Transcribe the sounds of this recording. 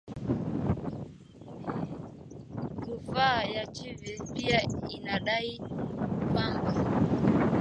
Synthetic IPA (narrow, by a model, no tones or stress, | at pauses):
kufajat͡ʃivipiainaɗai | ɓaŋɡa